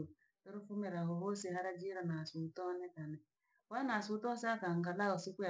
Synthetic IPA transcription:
toɾufumeɾaɦɔɦosihaɾad͡ʒiɾanasutɔnɛkanɛ | wanasutɔsakaŋɡalaɔsikua

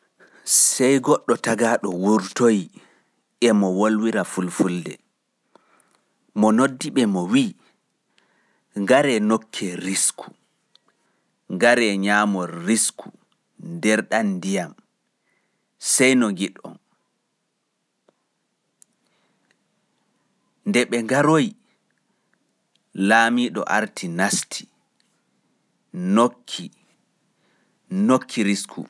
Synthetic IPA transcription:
sɛjɡɔɗːɔtaɡaɗɔwuɾtoj | ʔɛmɔwolwiɾafulfuldɛ̰ | mɔnodːiɓɛmɔwiː | ŋɡaɾɛnokʰːɛɾiskʰu̥ | ŋɡaɾɛɲaːmɔriskʰu | ndɛɾɗandijam | sɛjnɔŋɡiɗɔ̰n | ndɛɓɛŋɡaɾoj | laːmiːɗɔ̰ʔaɾtʰinastʰi̥ | nokʰːi | nokʰːiɾiskʰṵ

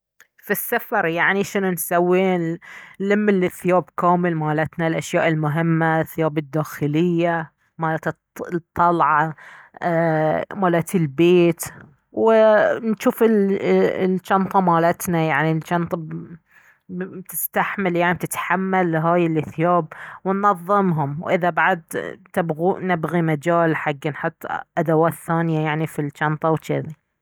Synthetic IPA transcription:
fisːafɑɾˤjaʕniʃɪnansawːiːnlɪmːɪlɪθːɪjaːbkaːmɪlmaːlat̪nalʔaʃjaːʔɪlmʊɦɪmːaθːɪjaːbɪd̪ːaːxɪlɪjːa | maːlaːt̪ | t̪ˤːɑlʕɑ | maːlat̪ɪlbeːt̪ | wɪnʃuːfɪl | lt͡ʃɑnt̪ˤɑmaːlat̪najaʕnilt͡ʃɑnt̪ˤɑ | t̪ɪ̥st̪aħmaljaʕnib̚t̪ɪt̪ħamːalːɦaːjɪlʔɪθjaːb̚wɪnːɑðˤːɨmɦʊmwʔɪðabaʕad̪̚t̪ɪbɣunɪbɣimad͡ʒaːlħaɡːnħʊt̪ˤːʔad̪awaːt̪θaːnjajaʕnifilt͡ʃɑnt̪ˤɑwt͡ʃɪði

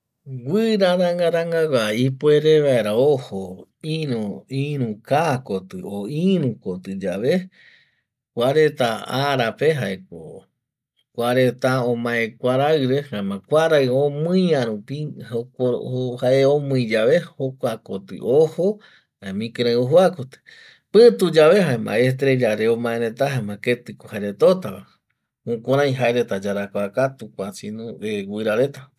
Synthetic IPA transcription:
ɡʷɨɾaɾaŋɡaɾaŋɡawaipoe̞ɾeβaeɾaohoĩuĩɾũkakot̪ɨoĩɾũkot̪ɨd͡ʒaʋe̞ | kʷaɾet̪aaɾape̞ɦaekʷo̰ | kʷaɾet̪aõmãẽkʷaɾaɨɾehãmãkʷaɾaɨõmɨ̃jãɾũpioohaʔeõmɨ̃ĩd͡ʒaβe̞hokʷakot̪ɨ̰ʔoho | amĩkeɾẽoɦuakot̪ɨ̥ | pɨ̃t̪ud͡ʒaβe̞ɦaemã̰est̪ɾed͡ʒaɾeomãẽɾẽt̪aɦaemãket̪ɨkohaɾet̪ot̪aβa | ũkõɾãj̃ɦaeɾet̪ad͡ʒaɾakʷakat̪ukʷat͡ʃinũewʷɨɾaɾe̞t̪a

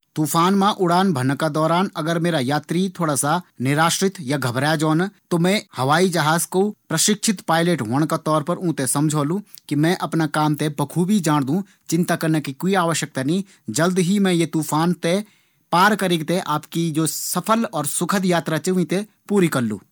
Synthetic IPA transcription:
t̪uːpʰaːnmãʔʊɽaːnbʱənkad̪ɔːɾaːnɐɡəɾmeːɾajaːt̪ɾit̪ʰoːɽaːsanɪɾaːʃɾɪt̪jaɡʱɐbɾjad͡ʒɔːnt̪omɛ̃hɐʋaːid͡ʒəɦaːzkopɾəʃɪkʃʰɪt̪paːɪleʈɦoːɽ̃kat̪ɔːɾpɐɾũːt̪esɐmd͡ʒʱoːlũkimɛ̃ʔɐpnakaːmt̪ebɐkʰubʱid͡ʒaːɽ̃d̪ũ | t͡ʃɪ̃nt̪akɐɾnekikoːiaːʋəʃjək̚t̪anɐĩ | d͡ʒəld̪ɦimɛ̃jet̪uːpʰaːnt̪e | paːɾkəɾɪɡt̪eʔaːpkid͡ʒoːsɐpʰəlɔːɾsʊkʰəd̪jaːt̪ɾat͡ʃuʋĩt̪e | puːɾikəllːṵ̃ː

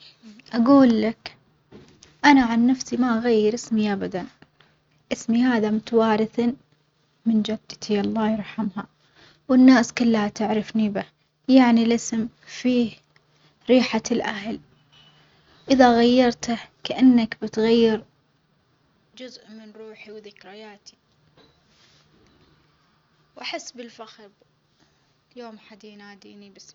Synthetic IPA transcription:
ʔaɡuːlːak | ʔanaʕanːafsimaʔaɣajːɪɾʔɪsmiʔabad̪an | ʔɪsmihaːðamʊt̪awaːɾɪθa | mɪnd͡ʒad̪ːt̪ʰiʔɑlˤːɑːjɪɾˤħamha | wɪnːaːskʊlːhat̪ɪʕɾɪfnibɪ | jaʕnilʔɪsm | fiːh | ɾiːħalʔaɦl | ʔɪðaɣajːɑɾˤt̪akaʔanːakbɪt̪ɣajːɪɾ | d͡ʒʊzʔmɪnɾuːħiwðɪkɾɪjaːt̪i | wʔaħɪsːbɪlfaxb | joːmħad̪inaːd̪ḭːnibɪs

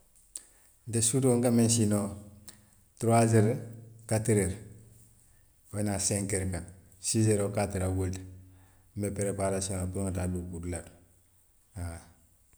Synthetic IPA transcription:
ntesutoŋkamens̬ino | tɾazeɾkatiɾeɾ | wenaseŋkeɾka | sizeɾokatiɾawelt | mbepeɾepaɾasiapuɾoŋatadukudulat | a

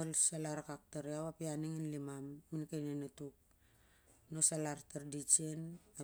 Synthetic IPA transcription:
olsalaɾkak̚taɾiawapianiŋinlimamːinkajnenatuk̚ | nosalartaɾdit͡ʃiena

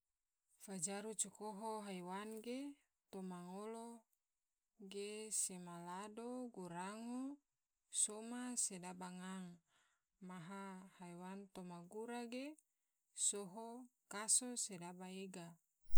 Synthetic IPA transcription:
fad͡ʒaɾut͡ʃɔkoɦoɦaiwanɡe | t̪omaŋolo | ɡesemaladoɡuɾaŋo | somasedabaŋaŋ | maɦahaiwant̪omaɡuɾaɡe | soɦokasosedabaeɡa

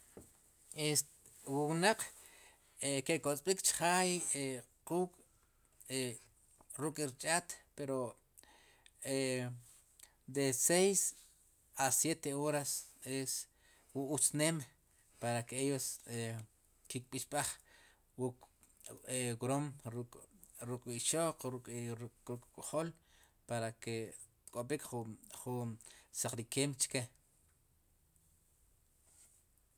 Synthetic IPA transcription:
es | wuwnaq͡χ | ekekot͡sʼɓikt͡ʃχaːje | quːkʼ | e | ɾukʼiɾt͡ʃʼaːt̪peɾo | e | d̪esejs | asjet̪eoɾases | wuut͡snem | paɾakeejose | kik̚ʼɓiʃɓaχ | wuk | eɡɾomɾukʼ | ɾukʼiʃoqɾukʼɾɾukʼkʼoχol | paɾake | kʼoɓikχχunsaqɾikeːmt͡ʃke

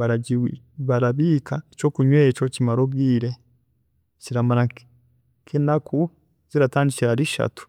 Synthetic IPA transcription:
βaɾaiβaɾaβiːkʰaet͡ʃo̞ːkuɲweːt͡ʃo̞cimaɾoɡiːɾe̞ | t͡ʃiɾamaɾa | kʰenakʰu | z̥iɾataːndiciɾaɾiʃa̰tu̥

